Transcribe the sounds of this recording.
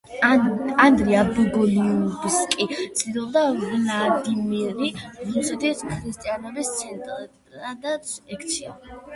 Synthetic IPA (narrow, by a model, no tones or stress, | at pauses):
and̪ɾiabɛɡɔlibskʼit̪sʰʼd̪ilˠɔbd̪avnad̪imiɛɾiɾusʼid̪ɛskʰɾist̪ʼianɔbist̪sʰɛnt̪ʼ | ad̪at̪sɛkʰt̪sʰia̰